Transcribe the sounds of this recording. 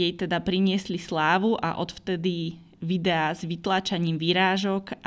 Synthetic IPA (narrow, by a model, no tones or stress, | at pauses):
jɛjt̪ɛd̪apɾiɲɪɛslislaːʋuʔa̰ʔɔt̪ft̪ɛd̪i | ʋid̪ɛazʋit̪laːt͡ʃaɲiːmʋiɾaːʒɔk